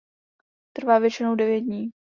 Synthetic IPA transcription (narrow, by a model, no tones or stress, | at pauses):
t̪r̩vaːvjɛt͡ʃɪnowdɛvjɛt̪̚dɲiː